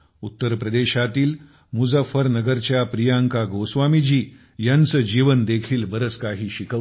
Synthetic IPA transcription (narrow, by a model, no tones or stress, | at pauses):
ut̪ːəɾpɾəd̪eɕat̪iːl | mud͡zəfəɾnəɡəɾt͡ɕjapɾijaŋkaɡosʋamid͡ʑiː | jant͡səd͡ʑiʋənd̪ekʰiːlbəɾət͡skaɦiːɕikʰə